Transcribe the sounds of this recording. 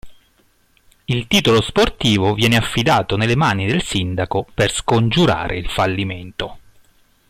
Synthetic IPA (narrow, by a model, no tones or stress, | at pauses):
ilt̪iːt̪olosport̪iːvovjɛːneafːid̪aːt̪onelːemaːnid̪elsind̪akoperskond͡ʒuɾa̰ːɾʔḛilfalːiment̪o